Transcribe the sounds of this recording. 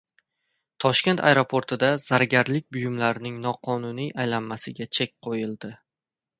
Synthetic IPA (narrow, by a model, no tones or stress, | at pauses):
t̪ʰɒʃkʲe̞nt̪ʰa̰jɾo̞pʰoɾt̪ʰɪd̪az̥aɾɡʲaɾlɪkʲbʊjʊmlaɾɪnɪŋnɒqʰɒnʊnijʔajlamːasɪɡʲat͡ʃʰe̞k̚ʲqʰojɪlˠd̪ɪ